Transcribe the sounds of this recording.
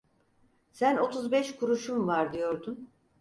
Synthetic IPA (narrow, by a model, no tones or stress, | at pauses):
sæno̞t̪ʰuzbɛʃkʰuɾuʃumvaɾd̪ijo̞ɾd̪un